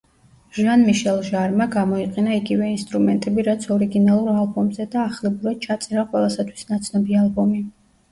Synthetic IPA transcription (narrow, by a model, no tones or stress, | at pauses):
ʒanmiʃɛlˠʒaɾmaɡamɔiqʼɛnaiɡivɛinst̪ʼɾumɛnt̪ʼɛbiɾat̪sʰɔɾiɡinalˠuɾalˠbɔmzɛd̪aːχlibuɾad̪̥̚t͡ʃʰat̪sʼɛɾaqʼwɛlˠasat̪ʰwi̥snat̪sʰnɔbialˠbɔmi